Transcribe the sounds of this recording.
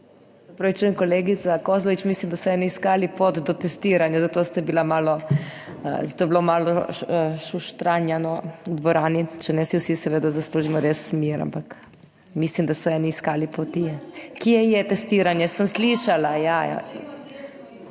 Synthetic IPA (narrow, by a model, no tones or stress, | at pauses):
ɐpɾoʋit͡ʃuːjɛmkoleːɡit̪sakozlɔʋit͡ʃmislimd̪asɔɛniiskaːlipot̪d̪ɔt̪ɛst̪iɾanjazat̪oːst̪abilamaːlɔ̰ | zat̪oːjɛblomaːlɔʃuʃt̪ɾanjanɔd̪ʋɔɾaːnit͡ʃɛnɛsiwsisɛʋeːd̪azasluːʒimɔɾesːmiɾa̰mpak | mislimd̪asɔɛniːskalipot̪iɛkiɛjɛt̪ɛst̪iːɾanjɛsəmsliʃalajaja̰